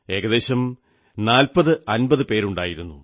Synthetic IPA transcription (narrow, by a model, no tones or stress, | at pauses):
e̞ːɣɐðe̞ːɕɐm | naːlpɐðɨɐnbɐðɨpe̞ːɾuɳɖaːjiɾunːu